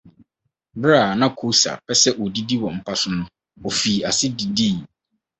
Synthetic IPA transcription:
bɾa˦˨nã˦kʰo˦sa̰˨pʰɛ˦sɛ˦ʔɔ˨di˦di˦wɔ˨m̩˨pʰa˨sʊ˨nʊ̃˦ | ɔ˨fi˨a˨sɪ˦di˨diː˦˨

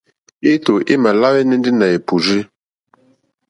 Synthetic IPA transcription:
i˦to˨ʔi˦ma˨la˦wɛ˦ni˦n˦di˦na˨e˨pu˨zi˦

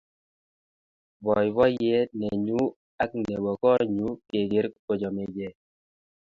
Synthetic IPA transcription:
bɔ˨jβɔ˦je˦nɛ˨ɲu˦ | a˦k̚nɛ˨wɔ˨kɔ˦ɲu˦ke˨ɡe˨˦ɾkko˨d͡ʒɔ˨me˨d͡ʒe˨

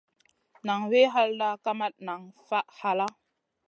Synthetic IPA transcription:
na˨ŋwe˦ɦa˦lda˦ka˦ma˦t̚na˨ŋfa˦ʔha˨la˦

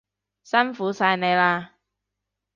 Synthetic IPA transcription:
sɐ˥nfuː˨˥saː˧jne˨˧jlaː˧

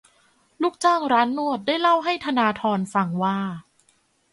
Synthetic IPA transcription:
lu˥˩k̚t͡ɕaː˥˩ŋɾaː˦˥nːu˥˩ət̪̚daː˥˩jla˥˩wɦa˥˩jt̪ʰa˧naː˧t̪ʰɔː˧nfa˧ŋwaː˥˩

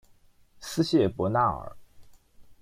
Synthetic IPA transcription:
sɹ̩˥ɕjɛ˥˩pwɔ˧˥na˥˩ə̰˞˨˩˦

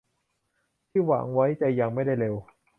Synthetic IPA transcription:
t̪ʰiː˥˩wa̰ː˩˦ŋwa˦˥jt̪ɛ˨˧˩ja˧ŋma˥˩jda˥˩jle˧w

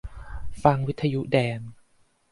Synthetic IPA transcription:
fa˧ŋwi˦˥t̪ʰːa˧ju˦˥dɛː˧n

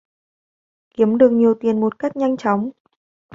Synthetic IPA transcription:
ki˨˦əmɗɨ˨˩ək̚ɲi˨˩əwt̪i˨˩ənmo˨˩t̚ka˦˥jk̟̚ɲa˧jŋ̟t͡ɕɔ˨˦wŋ͡m

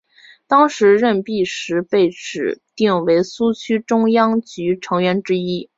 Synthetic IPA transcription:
t̪ɑ˥ŋʂɻ̩˧˥ɻə˥˧npi˥˩ʂɻ̩˧˥pe˥˩ɪʈ͡ʂɻ̩˨˩t̪i˥˩ŋwe˧˥ɪsu˥t͡ɕʰy˥ʈ͡ʂʊ˥ŋjɑ˥ŋt͡ɕy˧˥ʈ͡ʂʰɤ˧˥ŋɥɛ˧˥nʈ͡ʂɻ̩˥i˥

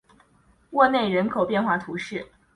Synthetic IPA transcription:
wɔ˥˧ne˥˩ɪɻə˧˥nkʰo˨˩ʊpjɛ˥˧nxwa˥˩t̪ʰu˧˥ʂɻ̩˥˩

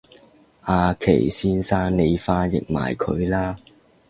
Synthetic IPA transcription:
ʔaː˨˧kʰḛ˨˩jsiː˥nsaː˥nne˨˧jfaː˧jɪ̰˨k̚ma̰ː˨˩jkʰɵ˨˧ɥlaː˥

